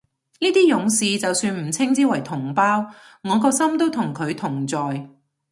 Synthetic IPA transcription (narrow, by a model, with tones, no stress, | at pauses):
niː˥t̪iː˥jʊ˨˥ŋsiː˨t͡sɐ˨wsyː˧nm̩˨˩t͡sʰɪ˥ŋt͡siː˥wɐ˨˩jt̪ʰʊ˨˩ŋpaː˥w | ŋɔː˨˧kɔː˧sɐ˥mt̪o˥wt̪ʰʊ˨˩ŋkʰɵ˨˧ɥt̪ʰʊ˨˩ŋt͡sɔː˨j